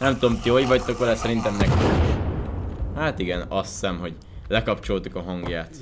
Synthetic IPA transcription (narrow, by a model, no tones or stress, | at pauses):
nɛmt̪uomt̪iɦoɟvɒɟt̪ːokoɾɛsɛɾint̪ɛmnɛk̪i | haːt̪iɡɛnɒsːɛmɦo̞ɟ | lɛkɒpt͡ʃo̞lt̪ukɒɦɒŋɡjaːt̪